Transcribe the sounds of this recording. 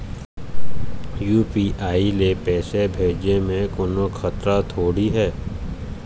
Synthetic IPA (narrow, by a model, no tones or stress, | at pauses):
juːpiːʔaːilepɛːsebʱeːd͡ʒemẽkoːnokʰɐt̪ɾat̪ʰoːɽiɦɛː